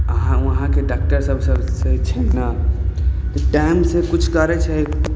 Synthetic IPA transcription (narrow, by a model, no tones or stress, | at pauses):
əɦãʋəɦãkeɖak̚ʈəɾsəbʱsəbʱset͡ʃʰinna | t̪ɔʈaɪmsekut͡ʃʰkəɾɛt͡ʃʰɛ